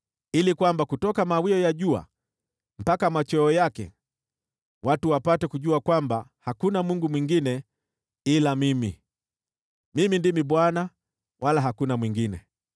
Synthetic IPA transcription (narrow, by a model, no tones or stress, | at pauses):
ilikwambakutɔkamawiɔjaʄua̰ | m̩pakamat͡ʃɔːjakɛ̰ | watuwapatɛkuʄuakwambahakunamuŋɡumwiŋɡinɛ | ilamimi | mimindimiɓwana | wʔalaɦakunamwiŋɡinɛ̰